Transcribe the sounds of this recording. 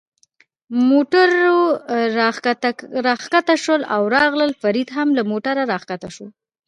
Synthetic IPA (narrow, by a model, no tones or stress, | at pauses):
moʈaɾo | ɾɑxkat̪aʃəla̰wɾɑɣləlfaɾid̪ɦamlamoʈaɾaɾɑxkat̪aʃo